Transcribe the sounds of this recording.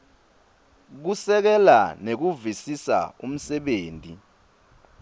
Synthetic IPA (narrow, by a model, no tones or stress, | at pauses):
k̬usɛk̬ɛlanek̬uvisisa̰um̩sɛɓeːntʼi